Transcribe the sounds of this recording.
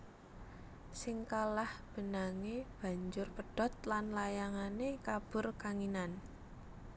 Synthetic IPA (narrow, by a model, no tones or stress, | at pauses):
sɪŋkalahb̥ə̤naŋeb̥ä̤ɲd͡ʒʊrpəɖ̥ɔ̤t̪̚lanlajaŋanekab̥ʊrkaŋinan